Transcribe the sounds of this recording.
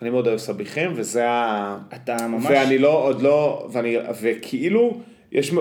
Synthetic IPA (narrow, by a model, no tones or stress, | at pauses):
animeod̪aesabiχemvezeaat̪amamvaveanilood̪lo̞veanivekʰiʔilu | jʔeʃm